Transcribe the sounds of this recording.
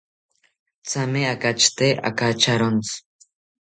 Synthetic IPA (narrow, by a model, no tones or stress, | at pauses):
t͡sameakat͡ʃt̪eʔa̰kat͡ʃaɾont͡s